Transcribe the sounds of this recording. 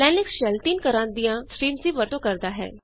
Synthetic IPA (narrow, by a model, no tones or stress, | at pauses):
lɛ̃nɪksɕɛlt̪iːnkəɾãnd̪ijãsɾiːmsiʋəɾt̪okəɾd̪aɦɛ̰ː